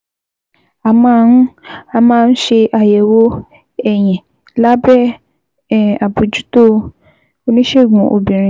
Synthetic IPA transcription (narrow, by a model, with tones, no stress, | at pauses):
a˨mã˧˦n̩˦a˧mãː˦˧n̩˦ʃe˧ʔa˧jɛ˨wo˦ | ɛ˦˨j̃ɛ̃˨ | la˦bɾɛ˦˨ | a˨bu˨d͡ʒu˦to˦ | o˧nĩ˦ʃe˦˨ɡũ˨˦ʔo̰˨bĩ˨ɾ̃ĩ˨